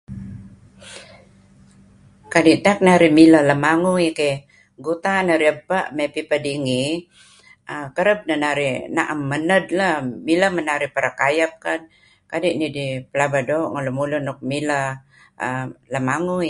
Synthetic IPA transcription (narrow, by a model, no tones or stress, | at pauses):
kadiʔt̪ak̚naɾimilaləmaŋuike | ɡut̪anaɾiəbaʔmepipədiŋi | akəɾəb̚nanaɾina̰ʔamːənədlamilamənaɾipəɾakajap̚kan̚ | kadiʔnidipəlabadoːʔŋalumulʊnʊk̚mila | ləmaŋui